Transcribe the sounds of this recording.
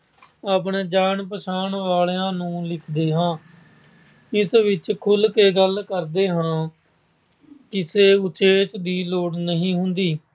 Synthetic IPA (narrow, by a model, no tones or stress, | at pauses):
aːpɳeːd͡ʒaːɳpəʃaːɳʋaːleãːnũːlɪkʰd̪eːɦãː | ɪsʋɪt͡ʃkʰʊlkeːɡəlkəɾd̪eːɦãː | kɪseːʊt͡ʃeːt͡ʃd̪iːloːɽnəɦĩːɦʊnd̪iː